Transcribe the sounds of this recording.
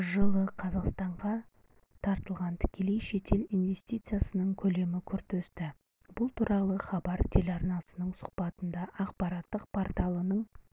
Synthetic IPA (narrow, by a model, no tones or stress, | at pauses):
ʒəlˠəqʰɑzɑqst̪ɑɴʁɑ | t̪ʰɑɾt̪əlˠʁɑnt̪ʰɪ̥kʲʰe̞le̞jʃe̞t̪ʰe̞linve̞st̪it̪sɨjasənəɴkʲʰɵle̞mɪkʲʰʏɾt̪ɵst̪ɪ | bʊlˠt̪ʰuɾʔɑlˠəχɑbɑɾt̪ʰe̞lʲɑɾnɑsənəɴsʊ̥χpɑt̪ənd̪ɑʔɑqpɑɾɑt̪ːəq̚pʰoɾt̪alˠənəɴ